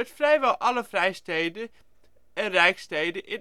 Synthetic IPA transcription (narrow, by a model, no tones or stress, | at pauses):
ətfrɛjʋɛlˠʔɑləfrɛjstejdə | ɛnrɛjkstejdəʔɪn